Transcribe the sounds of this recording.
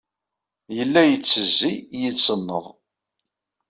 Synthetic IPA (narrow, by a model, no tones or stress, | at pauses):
jəlːæjət͡sːəzːijət͡sːənːə̰ðˤ